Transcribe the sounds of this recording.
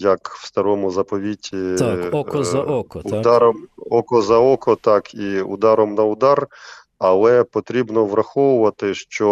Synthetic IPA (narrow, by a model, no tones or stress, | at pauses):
jɐkwst̪ɐɾɔmʊzɐpɔʋʲitʲi | ʊd̪ɑɾɔmɔkɔzɐɔkɔt̪ɑkiʊ̰d̪ɑɾɔmnɐʊd̪ɑr | ɐlˠɛpɔt̪ɾʲibnɔʋrɐxɔʋʊʋɐt̪ɪʃt͡ʃɔ